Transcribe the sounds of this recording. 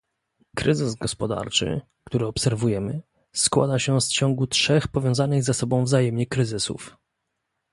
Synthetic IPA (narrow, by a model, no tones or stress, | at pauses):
kɾɘzɘzɡɔspɔd̪a̰ɾt͡ʂɘ̰ | kt̪uɾɘɔpsɛɾvujɛmɘ | skwa̰d̪aɕɛst͡ɕɔ̃ŋɡutʂɛxpɔvʲjɔ̃w̃zanɘɣzasɔbɔ̃w̃vzajɛmɲɛkɾɘzɘsṵf